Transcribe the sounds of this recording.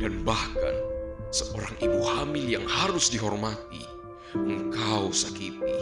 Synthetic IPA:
d̥anbahka̰nsəʔoɾaŋibuhamɪljaŋhaɾʊsdiɦɔrmat̪ḭ | əŋkawsakip̪i

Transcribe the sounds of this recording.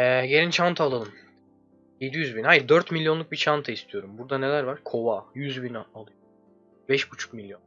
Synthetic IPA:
ɛɟe̞lʲint͡ʃʰant̪ʰaːlˠalˠɯm | je̞d̪ijyzbinhajɯɾd̪øɾt̪milʲːjo̞nˠuk̚bit͡ʃʰant̪ʰaist̪ʰijo̞ɾumbuɾd̪ane̞lʲæɾvaɾ̥kʰo̞vajyzbinalˠɯjo | bɛʃbut͡ʃʰu̥kmilʲːjo̞n

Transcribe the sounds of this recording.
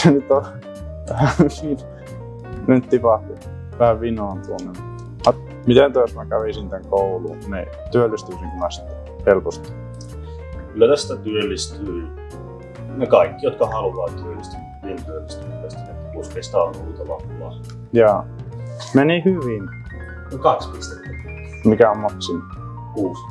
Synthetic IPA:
senyt̪o | ʋæhæʋin | ent̪t̪ipɑht̪u | ʋæhæʋʋinoːnt̪uonːem | ɑ | mit̪ent̪uɑˑsmækæʋisint̪æŋkoulṵnḛ | t̪yølːist̪yisiŋkunɑst̪ | helpost̪i̥ | kylːæt̪æst̪æt̪yølːist̪yi | nekɑikːijot̪kɑhɑlʋɑːtt̪yølːist̪ynmient̪yølːist̪yit̪it̪æst̪æmet̪ːpusk̪est̪ɑnnuit̪ɑlɑ̰pːɑ̰ː | jɑ | menihyʋin | nekɑkspist̪et̪ːi | mikæommɑksin | kuːs

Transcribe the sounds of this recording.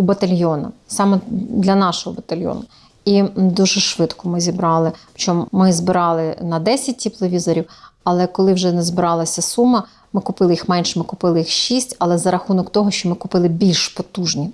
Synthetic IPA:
ubɐt̪ɐlʲjɔnɐ̰sɑmɛd̪lʲɐnɑʃɔɦɔbɐt̪ɐlʲjɔ̰nɐ | id̪uʒɛʃʋɪt̪kʊmɪzʲibɾɑlˠɪpt͡ʃɔmmɪzbɪɾɑlˠɪnɐd̪ɛsʲɐt̚ʲtʲiplˠɔʋʲizɔɾʲiw | ɐlˠɛkɔlˠɪwʒɛnɛzbɪɾɑlˠɐsʲɐsumːɐ | mɪkʊpɪlˠɪjixmɛnʃmɪkʊpɪlˠɪjixʃisʲtʲɐlˠɛzɐɾɐxunɔkt̪ɔɦɔʃt͡ʃɔmɪkʊpɪlˠɪbʲilʲʃpɔt̪uʒnʲi

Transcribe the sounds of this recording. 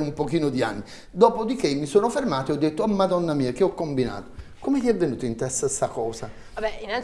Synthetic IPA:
umpokiːnʊd̪ia̰nːi | d̪ɔːpod̪ikemːisoːnʊfermaːt̪iɔd̪ːet̪ːʊamːad̪ɔnːamiːak̟eɔkːombina̰ːt̪ʊ̥komet̪iɛvːenuːt̪ʊint̪ɛsasakɔːsa | ɛina

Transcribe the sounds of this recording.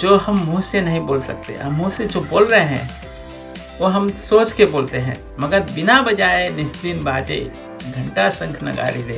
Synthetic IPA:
d͡ʒoːhəmːũsenɐɦĩboːlsə̰k̚t̪ḛɐmũsed͡ʒoboːlɾəɦeɦɛ̰̃ | ʋoɦəmsoːt͡ʃkeboːlt̪eɦɛ̰̃ː | mɐɡəɾbɪnabəd͡ʒaːenɪsd̪inbaːd͡ʒḛ | ɡʱə̃ɳʈasə̃ŋkʰnɐ̰ɡa̰ːɾiɾe

